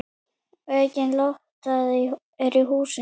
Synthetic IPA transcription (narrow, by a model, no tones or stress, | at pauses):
œːcɪnlowht̪aði | ɛɾiɦuːsɪ